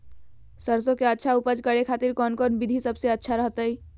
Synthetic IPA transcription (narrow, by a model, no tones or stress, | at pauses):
səɾsõkeətːʃʰaupəd͡ʒkəɾekʰat̪iɾkɔnkɔnbid̪ʱisəbseətːʃʰaɾəɦt̪əj